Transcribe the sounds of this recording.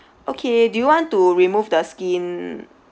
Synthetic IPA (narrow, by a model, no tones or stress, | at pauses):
ʔokʰedujuwɔ̃ntuɹimuvdəskĩn